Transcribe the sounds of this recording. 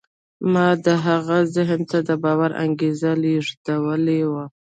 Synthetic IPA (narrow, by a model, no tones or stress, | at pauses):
mɑd̪əɦaɣazɪɦmt̪ad̪əbɑwaɾa̰ŋɡezaleʐd̪awəlewa